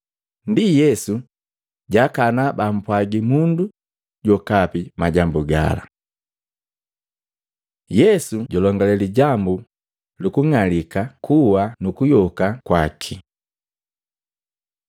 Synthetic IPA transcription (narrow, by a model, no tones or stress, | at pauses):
ndijɛsu | ɟakanabam̩pwaɡimundu | ɟɔkapimaɟambuɡa̰la̰ | jɛsuɟɔlɔŋɡalɛliɟambu | lukuŋalikakʰuwanukujɔkakwakʰi